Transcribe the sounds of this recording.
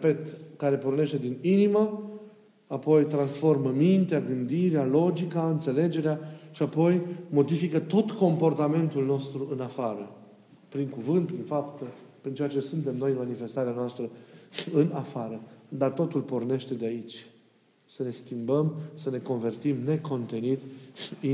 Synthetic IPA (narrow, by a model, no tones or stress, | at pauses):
epe̞t̪kaɾe̞porne̞ʃt̪e̞d̪ininima | apo̞jt̪ɾansfo̞rməmint̪eaɡɨnd̪iɾealo̞d͡ʒikaɨnt̪se̞le̞d͡ʒe̞ɾeaʃiapo̞jmo̞d̪ifikət̪o̞t̪ko̞mpo̞rt̪ame̞nt̪ulno̞st̪ɾuɨnafaɾə | pɾiŋkuvɨnt̪̚pɾinfapt̪əpɾint͡ʃeat͡ʃe̞sunt̪e̞mno̞jmanife̞st̪aɾeanoast̪ɾəɨnafaɾəd̪art̪o̞t̪ulporne̞ʃt̪e̞d̪eait͡ʃʲ | səne̞skʲimbəmsəne̞ko̞nve̞rt̪imne̞ko̞nt̪e̞nit̪